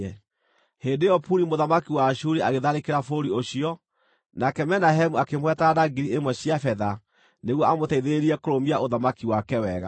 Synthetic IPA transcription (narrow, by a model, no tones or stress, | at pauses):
ɛ | heːndejɔpuɾimoðamakiwaɕuɾiaɣeðaɾekeɾafoɾioɕiɔ | nakɛmɛnaɦemuakemwɛtadaɡiɾiemwɛɕiafɛða | neɣwɔʔamotɛiðeɾeɾiɛkoɾomiaʔoðamakiwakɛwɛɣa̰